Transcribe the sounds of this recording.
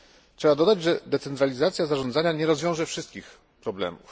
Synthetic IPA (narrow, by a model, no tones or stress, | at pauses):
tʂɛbad̪ɔd̪ad͡ʑʐɛd̪ɛt̪sɛnt̪ɾalʲizat̪sʲjazaʐɔnd̪zaɲaɲɛɾɔzvʲjɔ̃w̃ʐɛfʂɘst̪kʲix | pɾɔblɛ̰mṵf